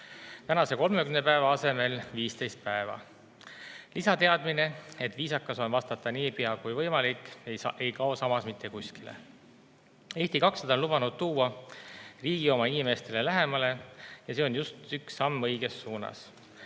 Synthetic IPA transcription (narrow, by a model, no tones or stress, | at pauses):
t̪ænɑse̞ko̞lme̞kymnepæe̞vɑɑse̞me̞lviːst̪e̞jst̪̚pæevɑ̰ | lisɑt̪e̞ɑd̪mine̞e̞t̪viːsɑkːˑɑso̞nvɑst̪ɑt̪ːˑɑniːpiɑkujvɤjmɑlikˑːeʔe̞jkɑo̞sɑmɑsmit̪ʰˑːe̞kusʲkilḛ | e̞ːht̪ikɑksed̪o̞nlub̥ɑnud̪̥̚t̪uːɑ | riːɡ̥io̞mɑinime̞st̪e̞le̞læɦe̞mɑle̞jɑse̞o̞njust̪yksːɑmːɤ̞jɡ̥e̞sːuːnɑ̰s